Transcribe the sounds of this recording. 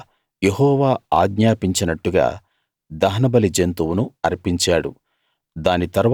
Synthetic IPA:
jeɦɔːʋaːaːɡɲaːpiɲt͡ʃinɐʈːuɡa̰ː | d̪ɐɦɐnɐbɐlid͡ʒent̪uwunuɐɾpiɲt͡ʃaːɽṵ | d̪aːnit̪ɐɾʋ

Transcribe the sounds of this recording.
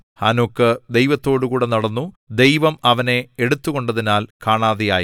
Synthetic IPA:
ha̰ːnokːɨd̪ejʋɐt̪ːo̞ːɽukuːɽe̞nɐɽɐnːu | d̪e̞jʋɐmɐʋɐne̞eɽut̪ːuɣo̞ɳɖɐðinaːlkaːɳaːðeja̰ːji

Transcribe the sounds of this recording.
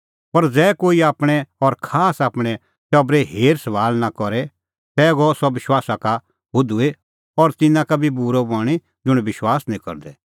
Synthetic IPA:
pɐɾd͡zɛːkoːiaːpɽ̃ɛɔɾkʰaːsaːpɽ̃ɛ | ʈɔbɾɛɦeːɾsəʋaːlnakɔɾɛ | t̪ɛːɡɔsɔʋɪʃwaːsaka | bʊd̪ue | ɔɾt̪ɪnãkabʱibuɾɔbaːɽ̃e | d͡zʊɽ̃ʋɪʃwaːsnĩkɔ̰ɾd̪ɛ

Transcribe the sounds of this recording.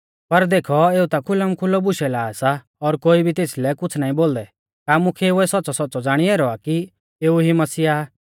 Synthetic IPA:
pɐɾd̪eːkʰɔeːut̪akʰʊləmkʰʊlɔbʊʃɛlaːsa | ɔːɾkoːibʱit̪eːslɛkʊt͡sʰnaːĩboːld̪ɛ | kaːmʊkʰɛʊɛsɔtːt͡sɔsɔtːt͡sɔd͡zaːɽ̃ieːɾɔaki | eːuɦimɐsiːaː

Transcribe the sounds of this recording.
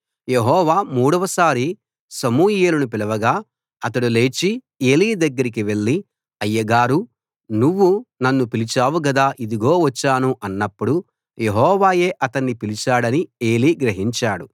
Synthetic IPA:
je̞ɦɔːʋaːmuːɽɐʋɐsaːɾi | sɐmuːjeːlɐnupilɐʋɐɡaː | ɐt̪̬ɐɽule̞ːt͡ʃi | e̞ːliːd̪ɐɡːɐɾik̬iʋe̞ɭːi | ɐjːɐɡaːɾu | nuʋːunɐnːupilit͡ʃaːʋuɡɐd̪aːʔid̪iɡo̞ːʋɐt͡ʃːaːnuʔɐnːɐpːuɽu | je̞ɦɔːʋaːje̞ːʔɐt̪ɐnːipilit͡ʃaːɽɐnie̞ːliːɡɾɐɦiɲt͡ʃaːɽu

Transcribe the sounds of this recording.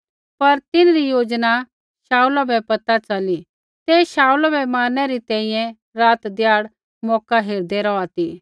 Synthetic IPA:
pɐɾt̪ɪnɾijoːd͡ʒna | ʃaːulabɛpɐt̪at͡ʃɐli | t̪eːʃaːulabɛmaːnɛɾit̪ɛ̃ːĩjɛ̃ | ɾaːt̪d̪ɪjaːɽ | mɔːkaɦeːɾd̪ɛɾɔat̪iː

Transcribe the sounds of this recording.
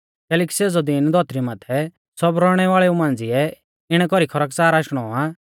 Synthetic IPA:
kɛːlɛːk̬i̥seːd͡zɔd̪ind̪ʱɔːt̪ɾimat̪ʰɛ | sɔbɾɔːɽ̃ɛʋaːɭɛumãːnd͡ziɛ | ɪɽ̃ɛkɔɾikʰɔɾəksaːɾaːʃɽ̃ɔa

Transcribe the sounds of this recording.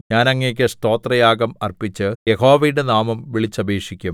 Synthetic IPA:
ɲaːnɐŋːek̬ʲːɨst̪o̞ːt̪rɐjaːɡɐmɐrpit͡ɕːɨjeho̞ːʋɐjɽenaːmɐmʋiɭit͡ɕːɐbʱeːʂikʲːum

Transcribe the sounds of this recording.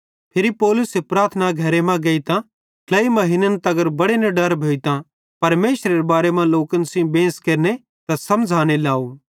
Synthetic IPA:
pʰɪɾipɔːlʊsepɾaːɾt̪ʰnaɡʱɐɾemɛ̃ɡɐit̪ã | lɐimɐɦɪnənt̪ɐɡəɾbɐɽeneɖɐɾbʱeːit̪ã | pɐɾmeːʃɾeɾebaːɾemãloːkənsɪ̃bẽːskeːɾne | t̪ãsɐmd͡zʱaːñelaːu

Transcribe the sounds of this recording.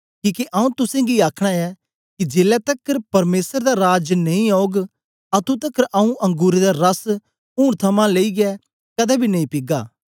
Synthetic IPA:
kiːkeʔɐũt̪ʊsẽːɡiaːkʰɽ̃aɛ | kid͡ʒeːlɛt̪ɐkːəɾpɐɾmeːsəɾd̪aɾaːd͡ʒnɐĩoːɡ | ɐt̪ũt̪̬ɐkːəɾʔɐũʔɐ̃ŋɡuːɾed̪aɾɐs | ũːɽt̪ʰɐmãːleiɡɪɛ | kɐd̪ɛbʱinɐĩpɪɡaː

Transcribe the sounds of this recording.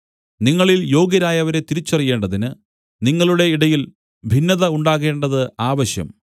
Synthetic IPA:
niŋːɐɭiljo̞ːɡjɐɾaːjɐʋɐɾe̞t̪iɾit͡ɕːɐrije̞ːɳɖɐðinɨ | niŋːɐɭuɽe̞iɽɐjil | bʱinːɐðɐuɳɖaːɣe̞ːɳɖɐðɨaːʋɐɕjɐ̰m

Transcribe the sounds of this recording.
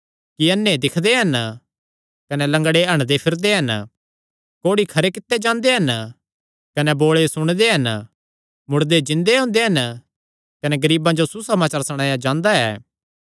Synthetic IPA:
kiɐnːed̪ɪkʰd̪eɦɐn | kɐnɛlɐ̃ŋɡɽeɐɽ̃d̪epʰɪɾd̪eɦɐn | koːɽikʰɐɾekɪt̪ːed͡ʒãːnd̪eɦɐn | kɐnɛboːɭesʊɽ̃d̪eɦɐn | mʊɽd̪ed͡ʒɪ̃nd̪eɦʊ̃ːnd̪eɦɐn | kɐnɛɡɐɾiːbãd͡ʒosusɐmaːt͡ʃaːɾsɐɽ̃ãːjad͡ʒãːnd̪aɛ̰ː

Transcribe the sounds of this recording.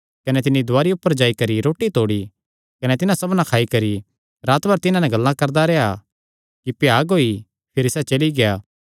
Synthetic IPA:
kɐnɛt̪ɪnːid̪ʱʊaːɾiʊpːəɾd͡ʒaːikɐɾiɾoːʈit̪oːɽi | kɐnɛt̪ɪnãsɐbnãkʰaːikɐɾi | ɾaːt̪bɐɾt̪ɪnãnɛ̃ɡɐlːãkɐɾd̪aɾɛa | kipjaːɡoːi | pʰɪɾisɛt͡ʃɐliɡejaː

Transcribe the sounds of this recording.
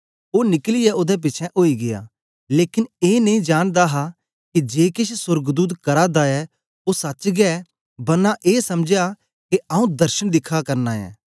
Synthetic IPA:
oːnɪklɪjɛod̪ɛp̬ɪːt͡ʃʰɛ̃ʔoːiɡɪja̰ː | leːkɪneːnɐ̃ĩd͡ʒaːñd̪aɦa | kid͡ʒeːkɪʃʰsʊɾɡd̪uːd̪kɐɾad̪aɛ | osɐt͡ʃɡɛ | bɐnːaʔeːsɐmd͡ʒja | keaũd̪ɐɾʃəñd̪ɪkʰːakɐɾnaɛ̰ː

